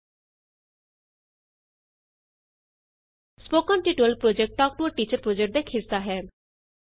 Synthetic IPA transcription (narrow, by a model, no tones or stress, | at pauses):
spoːkɔːnʈiʈuəlpɾoːd͡ʒɛk̚ʈʈɔːk̚ʈuəʈiːt͡ʃəɾpɾoːd͡ʒek̚ʈ̚d̪eːkʰɪsːaɦɛː